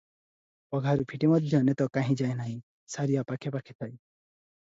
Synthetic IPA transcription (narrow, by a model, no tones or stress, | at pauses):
pɔɡʱaɾupʰiʈimɔd̪ʱjɔnet̪ɔkaɦĩd͡ʒaenaɦĩ | saɾijapakʰepakʰi̥t̪ʰaj